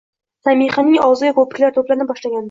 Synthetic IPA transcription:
samiχanɪŋɒwzɪjakʰopɪ̥kʲlaɾt̪ʰoplanɪbɒʃlaɡʲan

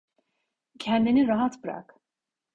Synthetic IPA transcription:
cʰɛnd̪iniɾaɦat̪bɯɾa̰k

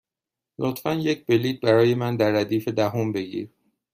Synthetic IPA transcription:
lot̪fænjec̚ʰbeliːt̪̚bæɾɒːje̞mænd̪æɾːæd̪iːfe̞d̪æɦombe̞ɡḭɾ

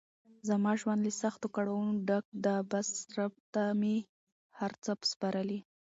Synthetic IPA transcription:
zamɑʒwand̪lesaxt̪okaɽawunoɖak̚ɖ̪abasɾab̚t̪ame | haɾt͡səpspɑɾəli

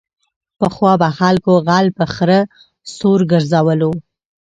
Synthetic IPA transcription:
pəxwɑbaxalkoɣalpəxɾə | soɾɡəɾzawəlo

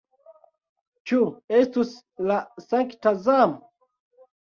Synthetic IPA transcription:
t͡ʃuestus | lasaŋktazamo

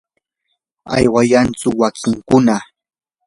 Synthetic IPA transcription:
a̰jwajant͡sʊwakʰɪŋkʊna

